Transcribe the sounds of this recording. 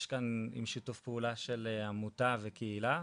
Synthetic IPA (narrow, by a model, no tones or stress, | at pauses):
ʃkanḭmʃitufpeulaʃeleamutavekeila